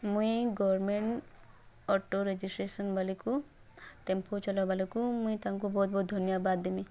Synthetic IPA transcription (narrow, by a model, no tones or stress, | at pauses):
mũĩɡɔwɔɾmeɳʈ | ɔʈoɾed͡ʒisʈɾesɔnbʱaliku | ʈempot͡ʃɔlabalikumũĩt̪aŋk̬ubɔɦut̪̚bɔt̪̚d̪ʱɔnjabad̪ːemi